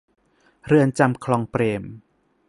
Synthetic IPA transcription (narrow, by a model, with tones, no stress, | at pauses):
ɾɯ˧ənt͡ɕa˧mkʰlɔː˧ŋpɾeː˧m